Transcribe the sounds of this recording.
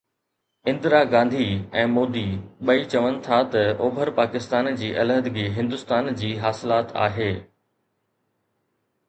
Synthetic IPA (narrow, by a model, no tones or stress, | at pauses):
ɪ̃nd̪ɾaːɡãːnd̪ʱiɛ̃ːmoːd̪iɓɐit͡ɕɐʋənɪ̆t̪ʰat̪ɐʔoːbʱəɾpaːkɪst̪aːnd͡ʑiːʔɐlɦəd̪ɪɡiɦɪ̃nd̪ʊst̪aːnd͡ʑiːɦaːsɪlaːt̪a̰ːɦeː